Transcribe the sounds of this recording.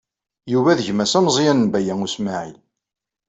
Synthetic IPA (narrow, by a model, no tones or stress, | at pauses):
juvæðəʝmæsæmzˤjænənbæjæŋusmaʕḭl